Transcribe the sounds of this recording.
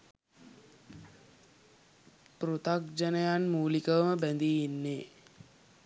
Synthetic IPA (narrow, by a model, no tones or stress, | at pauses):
pɾut̪ak̚d͡ʒɐnəjanmuːlikəʋəməbænd̪iːnːeː